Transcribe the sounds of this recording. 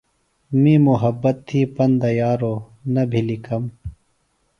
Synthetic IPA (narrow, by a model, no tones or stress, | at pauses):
miːmuɦɐbːɐt̪ʰːiːpɐnd̪ɐjaːɾoː | nɐbʱilikɐm